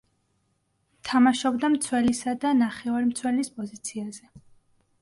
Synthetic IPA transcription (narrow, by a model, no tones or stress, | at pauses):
t̪ʰamaʃɔbd̪amt̪sʰwɛlisad̪anaχɛvaɾimt̪sʰwɛlispʼɔzit̪sʰiazɛ